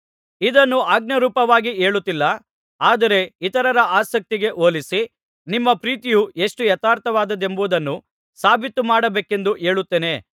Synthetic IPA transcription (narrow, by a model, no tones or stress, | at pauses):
id̪ɐnːuaːɡ̚nɐɾuːpɐʋaːɡieːɭut̪ːilːɐ | aːd̪ɐɾe̞it̪ɐɾɐɾɐʔaːsɐk̚t̪iɡe̞ʔo̞ːlisi | nimːɐpɾiːt̪ijuʔe̞ʂʈujɐt̪aːɾt̪ʰɐʋaːd̪ɐd̪e̞mbuʋd̪ɐnːu | saːbʱit̪ːumaːɽɐbeːke̞nd̪uʔe̞ːɭut̪ːeːne̞